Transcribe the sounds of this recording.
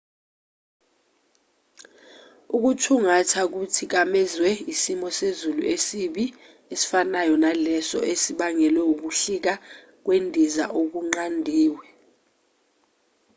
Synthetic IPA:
uk̬utʰuŋatʰak̬utʰik̬amɛzwɛisimɔsezulṵesiɓi | esi̥fanajɔnalɛsɔ̰ʔesiɓaŋɛlwɛuk̬uɬik̬a | k̬wendʱiza̰ʔok̬uŋ͡ǃandʱiːwɛ

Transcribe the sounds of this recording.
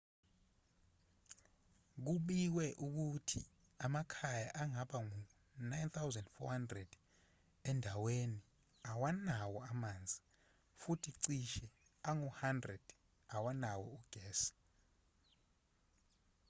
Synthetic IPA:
k̬uɓik̬wɛʔuk̬utʰi | amakʰajaʔaŋaɓaŋu | najnt̪ʰawzandfɔ̰handrɛd̥ | ɛndʱaweni | awanawɔamaːnd͡zʱi | futʰiǀiʃɛ | aŋuhandrɛd̥ | awanawɔuɡ̥ʱɛːsḁ

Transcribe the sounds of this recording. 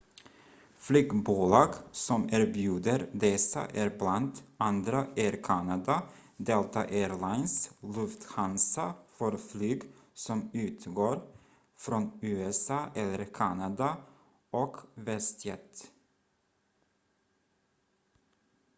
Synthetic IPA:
flyːɡbuːlɑːɡsɔmæːɾbjʉːd̪əɾd̪ɛsə̰ʔæːɾblant̪ɑnd̪ɾəæːɾkʰɑnɑd̪ɑd̪eːlt̪ɑ̰ʔeːɾlɑɪnslɵft̪hɑnsɑfɔɾflyːɡsɔmʉːt̪ʰɡoːɾ | fɾɔnʉːɛsɑːʔɛlːəɾkʰɑnɑd̪ɑ | ʔɔkʋɛst̪jɛt̪

